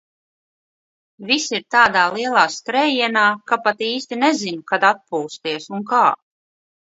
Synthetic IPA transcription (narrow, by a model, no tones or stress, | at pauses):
visiɾt̪aːd̪aːlˠiɛlˠaːskɾɛjiɛnaːkapat̪iːst̪inɛzinukad̪at̪̚puːst̪iɛsunkaː